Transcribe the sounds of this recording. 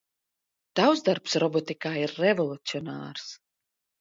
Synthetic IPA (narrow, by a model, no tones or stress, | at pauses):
d̪̥awzd̪aɾpsɾɔbɔt̪ikaːiɾːɛvɔlˠut̪siɔna̰ːɾs